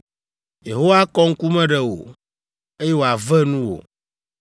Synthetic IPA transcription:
je˨ɦo˦wa˦kɔ˦ŋ̩˦ku˦mɛ̃˦ɖɛ˨wo̰˨ | e˦jɛ˦wo˨a˨vɛ˦nũ˦wo̰˨

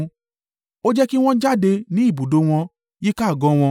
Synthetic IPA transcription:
o˦d͡ʒɛ˦ki˦w̃ɔ̃˦d͡ʒa˦˨de˧nĩ˨˦i˦˨bu˨do˨˦w̃ɔ̃˧ | ji˦ka˦˨ɡɔ̃˨˦w̃ɔ̃˧

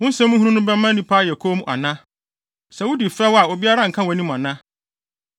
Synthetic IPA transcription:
wʊ̃˦n̩˦sɛ̃˦mːũ˦hũ˦ũ˦nʊ̃˦bɛ˦mã˦nĩ˦pʰaː˦jɛ˨kʰo˦m̃˦ʔa̰˨nã˦ | sɛ˨wʊ˦di˨fɾɛ˦wa˨o˨bi˦a˦ɾa˦˨ŋ̩˨kʰã˦wɔ˨nĩ˦m˨a˨nã˦

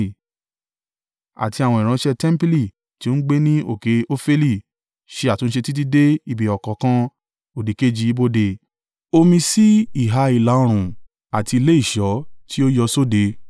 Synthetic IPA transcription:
a̰˨ti˧a˨wɔ̃˧i˨ɾ̃ã˧˦ʃɛ˧tɛ˦m̩˦pi˦li˦˨ | ti˦o˦ɡ͡be˦nĩ˦ʔo˦˨ke˨˦o˦fe˦li˦˨ | ʃe˧˦a˦˨tũ˨˧˦ʃe˧ti˦t̬i˦de˦i˦˨bi˨ɔ˨kɔ˨kã˧ | o˨di˨ke˦d͡ʒi˧˦i˦bo˧de˨ | o˧mĩ˧si˦i˦˨ɦa˧i˨la˨o˧ɾ̃ũ˨ | a˨ti˧i˧le˦i˦˨ʃɔ˨˦tʰi˦o˦jɔ˧so˦de˨˧˦

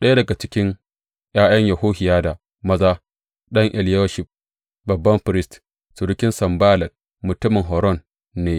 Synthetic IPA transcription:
ɗɐ˦ja˦dɐ˨ɡa˨t͡ʃɪ˦kʲɪ˦ŋ | j̰aː˦j̰ɐ˦ɲjɐ˨ɦoː˦hɪ˨jaː˦da˨ | mɐ˦zaː˦ | ɗɐ˦ŋʔɛ˨ljo˦ʃɪ˨ | bɐ˨bːɐ˦mɸɪ˨ɾɪ˦st | su˨ɽʊ˦kʲɪ˦nsɐ˨mbaː˦lɐ˨t̚ | mʊ˨tʊ˦mɪ˨ŋɦɔ˨ɾɔ˦nː | eː˦

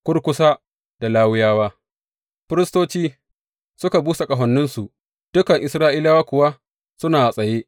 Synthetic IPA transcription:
kʷʊ˦ɽkʷʊ˦sa˦ | d̥a˨laː˦wʊ˦jaː˦waː˦ | ɸɪ˦ɾɪ˦stoː˦t͡ʃiː˦ | sʊ˦ka˨buː˦sa˨kʼɐ˨ɦɔ˨nːʊ˦nsu˨ʔ | d̥ʊ˦kɐ˨ŋʔɪ˨sɾaː˦ʔiː˦laː˦waː˦kʷʊ˨wa˦ | sʊ˦naː˨sʼɐ˨jeː˦

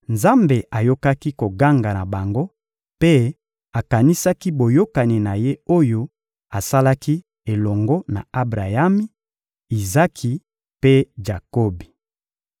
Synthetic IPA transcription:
nza˦mbe˨ʔa˨jo˦ka˦ki˦ko˨ɡa˦ŋɡa˨na˨ba˨ŋɡo˦ | pe˦ | a˨ka˨ni˦sa˦ki˦bo˨jo˦ka˨ni˨na˨je˦o˦jo˦ | a˨sa˦la˦ki˦ | e˨lɔ˨ŋɡɔ˦na̰˨a˦bʁa˨ja˦mi˦ | i˨za˦kʰi˨ | pe˦ʒa˨ko˦bi˨

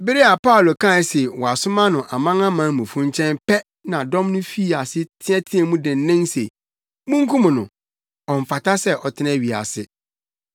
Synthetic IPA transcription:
bɪ˦ɾi˦a˨pa˦ʊ˨lo˨kʰã˦˨˦se˨wɔ˨a˨sʊ˦mã˦nʊ̃˨ʔa˨mã˦ŋã˦mãː˨˦˨mũ˨fũ˦ɲt͡ɕʰɛ̃˦npɛ˦ | nã˨dɔ̃˦mnʊ̃˦fi˦a˨sɪ˦tʰɪ̃˦ɛ̃˦tʰɪ˦ɛ˨mũ˦dɪ̃˨n˦nɪ̃˦nse˨ | mũ˦ŋ˦kʰũ˦mʊ̃˨nʊ̰̃˨ | ɔ˨ɱ̩˨fa˨ta˦sɛ˦ʔɔ˨tʰɪ˦nɛ̃˦˨ɥi˨a̰˨sɪ˦

